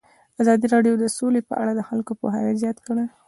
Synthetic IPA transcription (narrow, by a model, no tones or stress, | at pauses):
azɑd̪iɾɑɖjod̪əsolepə̰ʔa̰ɽad̪əxalkopo̰ɦa̰nezjɑt̪kəɽe